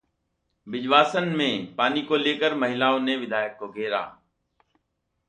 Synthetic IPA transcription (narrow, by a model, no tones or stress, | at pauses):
bɪʄʋaːsənmẽːpaːniːkoːleːkəɾməɦɪlaːõːnẽːʋɪd̪ʱaːjək̚koːɡʱeːɾa̰ː